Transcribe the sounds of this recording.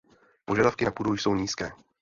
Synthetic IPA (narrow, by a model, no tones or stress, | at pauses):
po̞ʒadafkɪnapudujso̞wɲiːskɛː